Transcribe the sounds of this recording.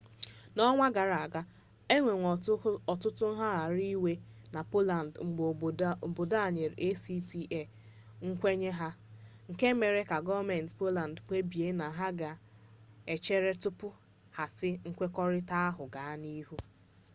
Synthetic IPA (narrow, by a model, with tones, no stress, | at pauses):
nɔ˦ŋʷa˦ɡa˨ɾa˨a˨ɡa˦ | e˦ŋʷe˨ŋʷ˨ɔ˨tʊ˦tʊ˦n̩˦ɦa˦ɾa˨ɾi˦we˦na˨po˦la˨n˨dŋ͡m̩˨ɡ͡bo˨bo˨da˦˨ɲe˨ɾe˦si˦ti˨ʔe˦˨ | ŋ̩˦kʷe˦ɲe˦ɦa˦ŋ̩˨ke˦me˨ɾe˦ka˨ɡɔ˦me˨n̩˨tpo˦la˨n˨dk͡pʷe˦bi˨e˦na˨ɦa˦ɡa˨ | e˨t͡ʃe˦ɾe˦tʊ˦pʊ˦ | ha˨sɪ˦ŋ̩˦kʷe˦kɔ˦ɾɪ˦ta˦a˦ɦʊ˨ɡa˨a˦ni˦ɦu˦